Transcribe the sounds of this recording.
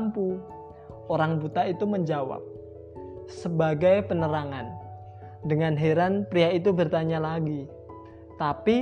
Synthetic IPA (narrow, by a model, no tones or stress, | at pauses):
mpu | ʔoɾaŋbut̪ait̪uməɲd͡ʒawa̰p̚ | səbaɡajpənəɾaŋan | dəŋanɦeɾanpɾiait̪ubərt̪aɲalaɡi | t̪api